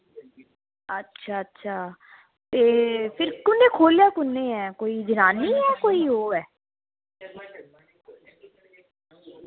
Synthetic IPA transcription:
ɐtːʃʰatːʃʰaː | t̪eːpʰɪɾkʊnːekʰoːlijakʊnːeɦɛːkoːid͡ʒɪnaːniɦɛːkoːiɦoːɛː

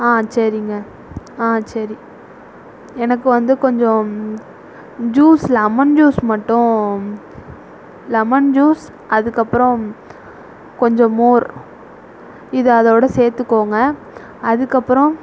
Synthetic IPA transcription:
aːsɐɾɪŋɡɐ | aːsɐɾi | ɛnɐk̬ːɯʋɐnd̪ɯkɔɲd͡ʒɔ̃ | d͡ʒuːslɐmɐnd͡ʒuːsmɐʈːʊ̃ | lɐmɐnd͡ʒuːs | ɐðɯkːɐpːɯɾɔ̃ | kɔɲd͡ʒɔ̃moːɾ | ɪðɯɐðoːɽɐseːɾt̪ːɯkːoːŋɡɐ | ɐðɯkːɐpːɯɾɔ̃

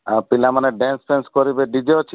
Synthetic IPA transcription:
apilamaneɖenspʰenskɔɾibeɖid͡ʒeot͡ʃʰi

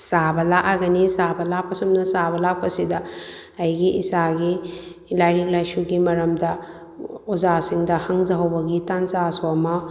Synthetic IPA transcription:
sabɐlaʔaɡɐnisabʱɐlapɐsunɐsabɐlapɐsidɐɐjɡiʔisaɡi | lajnilajʃuɡimɐɾɐmdɐ | ɔzasiŋdɐhɐŋzɐɦɐwbɐɡitanzaswamɐ

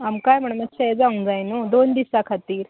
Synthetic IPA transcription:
amkajm̤əɳ̃mat͡ɕɛjd͡zaũd͡zajnod̪ond̪isakʰat̪iːɾ

